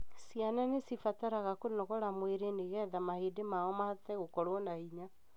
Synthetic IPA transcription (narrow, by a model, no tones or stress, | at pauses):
sijananesifataɾaɣakonɔɣɔɾamweɾeneɣɛðamahedemaɔmatɛɣokɔɾwɔnaiɲa